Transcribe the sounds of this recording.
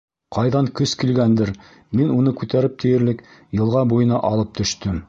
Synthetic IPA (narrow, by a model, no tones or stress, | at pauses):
qɑjðɑŋkɵskilɡænd̪ɘɾ | minunɤkʉt̪æɾɘp̚t̪ʰɘ̆jɘ̆ɾlɘkjɤ̆lˠʁɑbujɤ̆nɑʔɑlˠɤp̚t̪ɵ̆ʃt̪ɵm